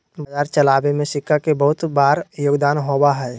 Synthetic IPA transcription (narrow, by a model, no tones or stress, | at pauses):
bəd͡ʒaːɾt͡ʃəlaːbemẽsɪkʰːakebəɦʊt̪baːɾjoːɡd̪aːnɦoːbaɦɛː